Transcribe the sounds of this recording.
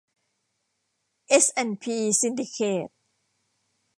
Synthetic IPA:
ʔe˦˥sʔɛ˧npʰiː˧si˧ndi˧kʰeː˨˩t̪̚

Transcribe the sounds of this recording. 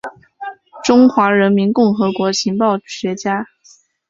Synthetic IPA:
ʈ͡ʂʊ˥ŋxwa˧˥ɻə˧˥nmi˧˥nkʊ˥˩ŋxɤ˧˥kwɔ˧˥ɕʰi˧˥ŋpɑ˥˩ʊɕɥɛ˧˥t͡ɕja˥

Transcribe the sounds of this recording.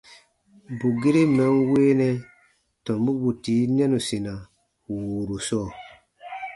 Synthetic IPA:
bu˨ɡe˦ɾe˦mɔ̃˨˦nweː˦nɛ̃˦ | tɔ̃˨mbu˦bu˨ti˨˦nɛ̃˦nu˨sĩ˨nã˨ | wuː˨ɾu˨sɔː˦˨

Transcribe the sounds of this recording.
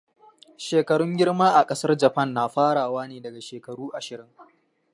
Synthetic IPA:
ʃeː˨kɐ˨ɽʊ˦ŋɡʲɪ˦rmaː˦ʔa˨kʼɐ˦sɐ˦rd͡ʒɐ˨ɸɐ˦nːaː˨ɸaː˦ɽaː˨waː˦neː˨dɐ˨ɡa˨ʃeː˨kɐ˨ɽuː˦ʔa˨ʃɪ˨ɾɪ˦ŋ

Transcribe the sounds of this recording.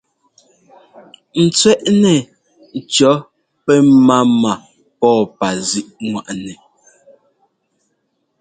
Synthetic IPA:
n̩˨t͡sɥɛ˦ʔnɛ˨ | t͡ʃɔ˨˦ | pɛ˦ma˦ma˨ | pɔː˦˨pa˨zi˦ʔŋwa˨ʔnɛ˨

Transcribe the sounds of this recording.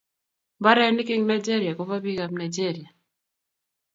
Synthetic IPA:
mba˦ɾɛ˦ni˦ki˦ŋna˨jd͡ʒe˦ɾi˨a˨ko˨βa˦bi˦ka˨pna˨jd͡ʒe˦˨ɾi˨a˨

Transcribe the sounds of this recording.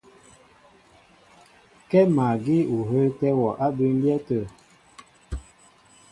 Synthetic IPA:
kɛ˦ma˨ɡi˦u˨ɦə˦ltɛ˦wɔ˨ʔa˦bə˦n˦bjɛ˦tə˨

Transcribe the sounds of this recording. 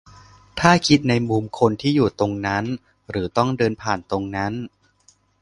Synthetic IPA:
t̪ʰaː˥˩kʰi˦˥t̪̚na˧jmuː˧mkʰo˧nt̪ʰiː˥˩juː˨˩t̪o˧ŋna˦˥n | ɾɯː˩˦t̪ɔ˥˩ŋdɤː˧npʰaː˨˩nt̪o˧ŋna˦˥n

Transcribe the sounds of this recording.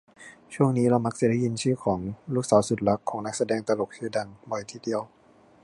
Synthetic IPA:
t͡ɕʰu˥˩əŋniː˦˥ɾa˧wma˦˥k̚sa˨˩da˥˩ji˧nt͡ɕʰɯː˥˩kʰɔː˩˦ŋluː˥˩k̚saː˩˦wsu˨˩t̪̚la˦˥kʰːɔː˩˦ŋna˦˥k̚sa˧dɛː˧ŋt̪a˧lo˨˩k̚t͡ɕʰɯː˧˥˩da˧˩ŋbɔ˨˩jt̪ʰiː˧˥˩di˧əw

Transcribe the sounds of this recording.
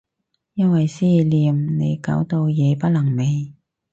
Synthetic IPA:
jɐ˥nwɐ˨jsiː˥liː˨˧mne˨˧jka̰ː˨˥wt̪o˧wjɛː˨˧pɐ˥t̚lɐ˨˩ŋme˨˧j

